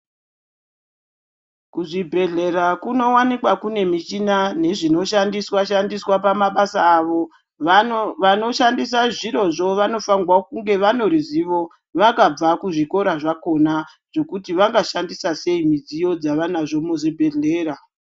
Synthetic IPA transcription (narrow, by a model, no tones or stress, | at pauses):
kuʐibʱe̞ɮe̞rakuno̞wanikwakune̞mit͡ʃinane̞ʐino̞ʃandiswaʃandiswapamaɓasaːʋo̞ | ʋano̞ʃandis̬aʐiɾo̞ʐo̞ʋano̞faŋɡwakuŋɡe̞ʋano̞ɾiziʋo̞ | ʋakab͡vakuʐiko̞ɾaʐako̞na | ʐ̥o̞kutiʋaŋɡaʃandisase̞imid͡zijo̞d͡zaʋanaʐo̞muzibʱe̞ɮe̞ːɾa